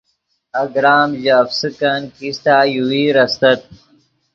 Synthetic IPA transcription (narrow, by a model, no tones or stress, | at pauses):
ɐɡɾaːmʑafsikankist̪aːjuwiːɾɐst̪ɐt̪̚